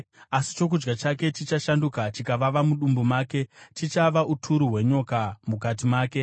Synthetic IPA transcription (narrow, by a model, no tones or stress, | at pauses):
asi̥t͡ʃo̞k̬ud͡ʒɡat͡ʃake̞t͡ʃit͡ʃaʃandukat͡ʃikaʋaʋamuɗumbumaːke̞t͡ʃit͡ʃaʋaʔutʰuɾuɦwe̞ɲokamukat̬imaːke̞